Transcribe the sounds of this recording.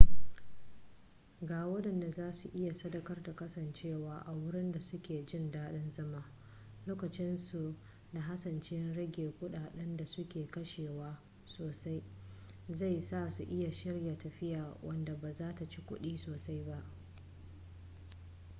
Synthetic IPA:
ɡaː˨wɐ˦ɗɐ˨nda˨zaː˦su˨ʔɪ˦ja˨sɐ˦dɐ˨kɐ˦rda˨kɐ˦sɐ˨nt͡ʃeː˦˨waː˦ʔa˨wʊ˦ɽɪ˦nda˨sʊ˦kʲeː˨d͡ʒɪ˦˨ndaː˦ɗɐ˦nzɐ˦maː˦ | loː˦kɐ˨t͡ʃɪ˦nsu˨ | da˨ɦa˦sɐ˨nt͡ʃe˦nɽɐ˦ɡʲeː˨kʷʊ˦ɗaː˨ɗɛ˦nda˨sʊ˦kʲeː˨kɐ˦ʃeː˨waː˦ | soː˨sa˦j | za˦˨jsaː˦˨su˨ʔɪ˦ja˨ʃɪ˦rja˨tɐ˨ɸɪ˦jaː˨wʔɐ̰˦nda˨baː˨zaː˦ta˨t͡ʃi˦kʷʊ˦ɗiː˦soː˨sa˦jba˦ʔ

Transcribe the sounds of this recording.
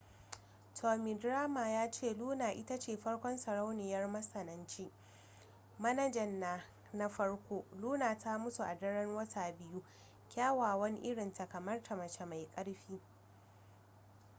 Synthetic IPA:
tʰoː˨mi˨dɾaː˦maː˨jaː˦t͡ʃeː˦˨luː˦naː˨ʔɪ˦ta˦t͡ʃeː˨ɸɐ˦ɽkʷɔ˦nsɐ˨ɽa˦wnɪ˨jɐ˦rmɐ˦sɐ˨nɐ˦nt͡ʃi˦ | mɐ˦nɐ˦d͡ʒɐ˨nːaː˨ | na˦ɸɐ˦ɽkʷoː˦luː˦naː˨tʰa˦mʊ˦su˨ʔa˨dɐ˦ɽɐ˦ŋwɐ˦tʰaː˨bɪ˦ju˦ | kʲaː˦waː˨wɐ˦ni˦ʔɪ˦ɽɪ˨nta˨kɐ˨mɐ˦rtʰa˨mɐ˨t͡ʃe˨ma˨jkʼɐ˦ɽɸiː˦

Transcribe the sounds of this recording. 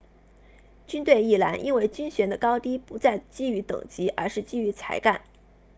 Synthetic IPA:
t͡ɕy˥nt̪we˥˧ɪi˥˩la˧˥nʔḭ˥nwe˥˩ɪt͡ɕy˥nɕɥɛ˧˥nd̪ə˧kɑ˥ʊt̪i˥pu˧˥t͡sa˥˩ɪt͡ɕi˥y˧˥t̪ɤ̰˨˩ŋt͡ɕi˧˥ʔə̰˧˥ʂɻ̩˥˧t͡ɕi˥˩y˧˥t͡sʰa̰˧˥ɪka˥˩n

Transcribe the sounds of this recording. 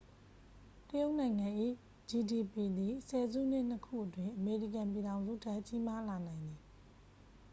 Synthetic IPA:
təjo˦ʊʔnã˨ɪ̃ŋã˨ʔḭ˦˨ | d͡ʑi˨di˨pi˨d̪i˨sɛ˨zṵ˦˨n̥ɪ̃˦˨n̥əkʰṵ˦˨ʔətwɪ̃˨ʔəme˨ɹḭ˦˨kã˨mp̬ji˨ɾã˨ʊ̃nzṵ˦˨tʰɛ˦ʔt͡ɕi˦ma˦la˨nã˨ɪ̃nd̪ði˨

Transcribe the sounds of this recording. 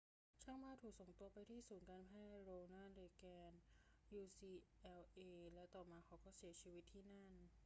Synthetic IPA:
t͡ɕʰa˥˩ŋmaː˥˩t̪ʰuː˨˩k̚so˨˩ŋt̪u˧ɐpa˧jt̪ʰiː˥˩suː˩˦nkaː˧npʰaː˥˩˧jɾoː˧ŋnaː˥˩nɾeː˧kɛː˧njuː˧siː˧ʔɛː˧wʔeː˧lɛ˦˥wt̪ɔː˨˩maː˧kʰa˦˥wkɔː˥˩si˨˩˦ɐt͡ɕʰiː˧wi˦˥t̪ʰːiː˥˩na˥˩n

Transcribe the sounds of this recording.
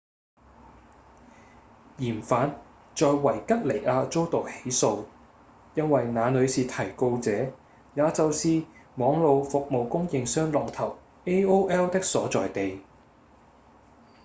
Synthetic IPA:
jiː˨˩nfaː˨˥n | t͡sɔː˨jwɐ˨˩jkɐ˥t̚le˨˩jaː˧t͡so˥wt̪o˨k̚he˨˥jso˧w | jɐ˥nwɐ˨jnaː˨˧nɵ˨˧ɥsiː˨˧t̪ʰɐ˨˩jko˧wt͡sɛː˨˥ | jaː˨˧t͡sɐ˨wsiː˧mɔː˨˥ŋlo˨˧wfʊ˨k̚mo˨wkʊ˥ŋjɪ˨˧ŋsœː˥ŋlɔː˨ŋt̪ʰɐ˨˩w | e˥oː˥wʔɛː˥wt̪ɪ˥k̚sɔː˨˥t͡sɔː˨jt̪e˨j

